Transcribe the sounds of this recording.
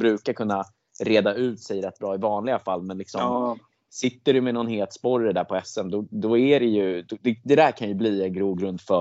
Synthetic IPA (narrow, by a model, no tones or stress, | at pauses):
bɾʉ̟ːkaɾkʰɵnːa | ɾeːd̪aʉ̟ːt̪sɛjɾɛt̪̚ːbɾɑːɪvɑːnlɪɡafalːmɛnlɪksɔm | sɪt̪ːəɖɵmɛnɔnheːlt̪spɔɾəd̪æːɾpʰɔɛsɛmd̪ɔd̪ɔæɾɛjɵd̪ɛd̪ɛd̪æɾkʰanjɵbliːɛnɡɾuːɡɾɵnd̪fœ